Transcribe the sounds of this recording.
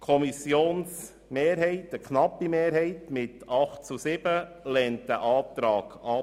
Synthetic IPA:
kʰɔmisjoːns | meːɾɦɛɪtəknɑpːimeːɾɦɛɪtmɪtɑχtt͡susɪb̥əlɛntd̥æʔɑːt̪ɾɑːɡ̥ɑ

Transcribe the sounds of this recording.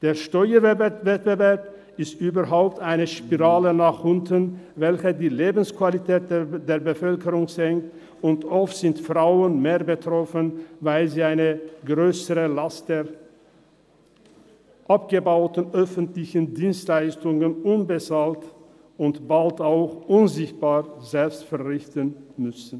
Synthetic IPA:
d̥eːɐʃtɔʏɐvvɛt̚b̥əvɛɐp | ɪstʔyːbɐʁɦaʊp̚taɪnəʃpiʁaːlənaːχʔʊntənvɛlçədiːleːbn̩skv̥alitʰɛːt̚deːɐbəfœlkəʁʊŋzɛŋkt | ʊntʔɔftz̥ɪntfʁ̥aʊənmeːɐbətʁ̥ɔfənvaɪlziːaɪnəɡʁøːsəʁəlastd̥eːɐ | ʔapɡ̥əbaʊtn̩ʔœfəntlɪçəndiːnstlaɪstʊŋənʔʊnbət͡saːlt | ʊntb̥altaʊxʔʊnzɪçt̚b̥aːʁzɛlpstfɛɐʁɪçtənmʏsn̩

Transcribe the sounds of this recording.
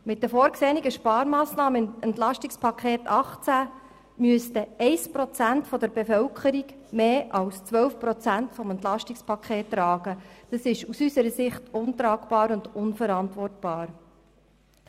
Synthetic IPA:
mɪt̚dəfoːɾkseːniɡəʃpɑːɾmɑːsnɑːməɛntlɑʃtɪkspʰɑkʰχeːtɑχt͡sæ | myəstəɛɪspɾɔt͡sæntfɔd̪əɾbefœwkχəɾiɡ | meːʔɑwst͡sʋœwfpɾɔt͡sæntfɔmɛntlɑʃtɪkspʰɑkχeːtːɾɑːɡ̥əd̥ɑsɪʃusysəɾəsɪχtʊnt̪ɾɑːɡb̥ɑːɾʊndʊnfəɾɑntʋɔrtb̥ɑːɾ

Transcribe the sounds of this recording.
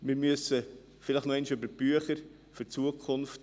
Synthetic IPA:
mɪɾmyəsə | fɪlɪχtnoɛɪnʃøbəb̥yəχəɾ | føɾt͡suəkʰʊnft

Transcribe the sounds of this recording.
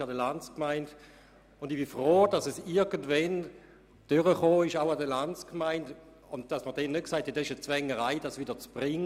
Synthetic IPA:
adəlant͡skmaɪnd | ʊndibifʁoːd̥ɑsɛsɪɐɡəndvɛn | d̥ʏʁəχoːɪʃaʊadəlant͡skmaɪnd | ʊnt̚d̥ɑsməɐd̥ɛnːɛt̚ksaɪthɛtɛsɪʃət͡svɛŋəʁaɪd̥asʋiːdəɐt͡sb̥ʁɪŋ

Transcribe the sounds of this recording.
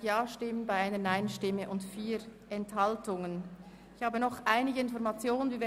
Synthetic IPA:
jaːʃtɪmənbaɪaɪnənaɪnʃtɪmːəʔʊntfiːɾʔɛnthaltʊŋən | ɪçhaːbənɔχʔaɪnɪɡəɪnfɔɐɾmat͡sjoːnənviːv

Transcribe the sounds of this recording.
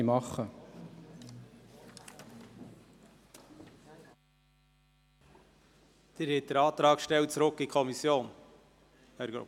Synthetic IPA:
imɑχə | d̪̥eɾhɪt̚d̥əɾɑːt̪ɾɑːkʃtɛlt͡sɾʊkːikʰɔmisjoːn | æɾɡo̰

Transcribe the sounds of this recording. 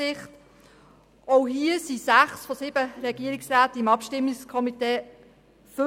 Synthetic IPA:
ɪχt | oʊɦiəsisæχsfɔsɪbəɾɛɡ̥iəɾiksʁaːtimɑpʃtɪmːikskʰɔmiteː | fɵ

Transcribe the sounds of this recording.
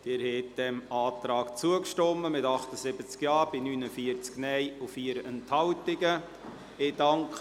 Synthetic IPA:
d̪̥ɪːɾhɛt̚d̥ɛmɑːt̪ɾɑːkt͡suəkʃtɔmːəmɪtɑχt̪əsɪbət͡skjɑːɾb̥inyːnəfiəɾt͡sknɛjufiːəɾɛnthɑltɪɡə | ɪd̥ɑŋk

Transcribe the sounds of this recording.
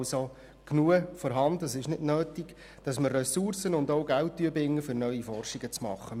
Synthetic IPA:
so | knuəfɔɾɦɑndəsɪʃnɪdnøːtiɡ̥ | d̥ɑsməɾrɛsursənʊndoʊɡæwt̚ːyəbɪŋːəfʏɾnœɥifɔrʃiɡət͡smɑ̰χːə

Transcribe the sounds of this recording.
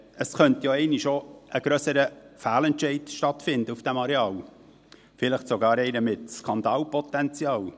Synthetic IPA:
əsχœnt̪joɛɪnɪʃoʔəɡɾœsəɾəfæːlɛntʃɛɪdʃtɑt̪fɪnd̪əufd̥æmɑɾeɑːl | fɪləχtsoɡɑːɾɛɪnəmɪtskɑnd̪ɑːlpɔt̪ɛnt͡sjɑːl

